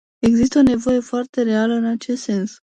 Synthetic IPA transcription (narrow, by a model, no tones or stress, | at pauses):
e̞ɡzist̪əone̞vo̞je̞foart̪e̞ɾealəɨnat͡ʃest̪se̞ns